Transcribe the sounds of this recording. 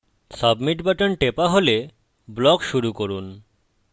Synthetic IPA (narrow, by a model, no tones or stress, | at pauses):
sʌbmiʈbaʈonʈepaɦole | blɔkʃuɾukoɾun